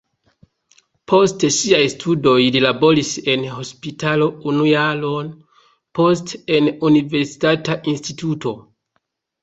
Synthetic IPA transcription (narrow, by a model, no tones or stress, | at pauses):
pʰo̞steʃiajstʰudo̞jlilabo̞ɾise̞nɦo̞spitʰalo̞unujalon | po̞ste̞nunive̞ɾsi̥tataʔinstituto̞